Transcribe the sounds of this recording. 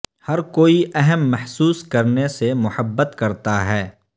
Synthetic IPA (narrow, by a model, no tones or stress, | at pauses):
hɐɾkoːiʔɛɦəmːɐħsuːskɐɾnesemʊhəbːət̪kɐɾt̪aɦɛː